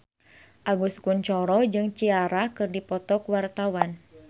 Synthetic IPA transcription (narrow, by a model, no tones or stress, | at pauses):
ʔaɡuskunt͡ʃɔɾɔd͡ʒɨŋt͡ʃiaɾakɨrdipɔt̪ɔkwart̪awan